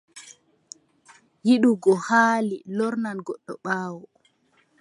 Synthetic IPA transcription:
jiɗuɡɔhaːlilɔɾnanɡɔɗːɔ̰ɓaːwɔ

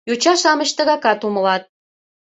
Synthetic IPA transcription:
jut͡ɕɑʃɑmə̆ʃt̪ə̆ɣɑkɑt̪uməlɑt̪̚

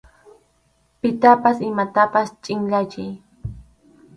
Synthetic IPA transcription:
pɪt̪apasɪmat̪apast͡ʃʼɪŋʎat͡ʃɪj

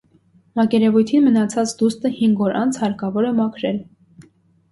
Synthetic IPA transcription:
mɑkɛɾɛvujt̪ʰinmənɑt͡sʰɑt͡sd̪ust̪əhiŋɡɔɾɑnt͡sʰhɑɾkɑvɔɾəmɑkʰɾɛl

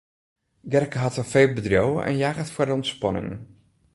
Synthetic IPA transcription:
ɡɛrkəɦɑtɔfeːlˠbədrjowə̰ʔɛ̰njaːɣətfwəɹdəɔntspɑnɪ̰ŋ

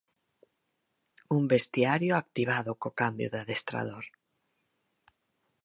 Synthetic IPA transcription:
umbest̪iaɾjoak̚t̪iβ̞aðokokambjo̰ðaðest̪ɾa̰ð̞oɾ

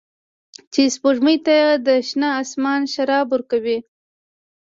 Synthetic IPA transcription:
t͡ʃespoʒməjt̪ajad̪əʃnɑːsmɑnʃaɾɑbʊɾkawi

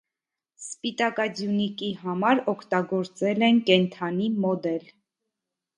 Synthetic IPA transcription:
spit̪ɑkɑd͡zjunikiɦɑmɑɾɔkʰt̪ɑɡɔɾt͡sɛlɛnkɛnt̪ʰɑnimɔd̪ɛl

